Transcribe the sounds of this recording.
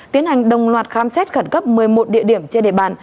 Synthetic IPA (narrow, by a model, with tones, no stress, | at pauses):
i˨˦ənha˨˩jŋ̟ɗə˨˩wŋ͡mlwaː˨˩t̚xaː˨˧msɛ˦˥t̚xə˧˩nkə˦˥p̚mɨ˨˩əjmo˨˩t̚ɗḭ˧˨əɗi˧˩əmt͡ɕe˧nɗḛ˧˨ɓa̰ː˧˨n